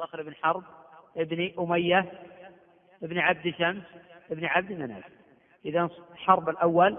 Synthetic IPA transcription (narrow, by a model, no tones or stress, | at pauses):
axlɪbnħɑɾˤb̚ʔɪbniʔʊmajːa | ʔɪbnʕab̚d̪ɪʃamsʔɪbnʕab̚d̪manha̰d͡ʒ | ʔɪðanħɑɾˤbɪlʔawːal